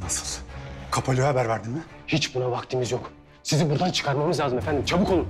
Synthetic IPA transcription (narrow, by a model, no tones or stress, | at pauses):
nasɯ̥lˠkʰapʰalʲyhabæɾvaɾd̪ɯmmɪ | hit͡ʃbunavakt̪ʰimizjok | sizibuɾd̪ant͡ʃʰɯ̥kʰaɾmamɯzlʲaːzɯmefænd̪imt͡ʃʰabɯkʰo̞lˠu